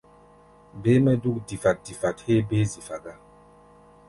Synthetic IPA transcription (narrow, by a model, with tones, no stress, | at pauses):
be˦mɛ˦du˦k̚di˨fa˨t̚di˨fa˨t̚he˦be˦zi˨fa˨ɡa˦